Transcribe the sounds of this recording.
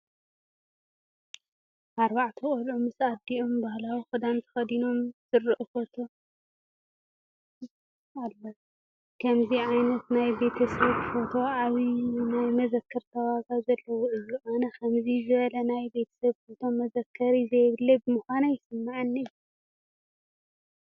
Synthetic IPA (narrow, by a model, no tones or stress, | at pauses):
ʔaɾbaʕt̪ʰiχʼolomɨsad̪iombahlawixɨd̪ant̪ʰɐ̥xɐd̪ino̞msɨɾʔufo̞t̪ʰo̞ | alːo | kʰɐmziʕajnɐt̪najbe̞t̪ʰɐsɐβfo̞t̪ʰo̞aβinajmɐzɐkʰːɐɾt̪ʰɐwaɡazɐlːɐwɔʔɨziʔanɐkʰɐmzizɨβɐlɐnajbe̞t̪ʰɐ̥sɐβfot̪ʰo̞mːɐzɐkʰːɐɾizɐjβɨlːebɨmɨxʷanajɪsɨmːaʕɨnːiju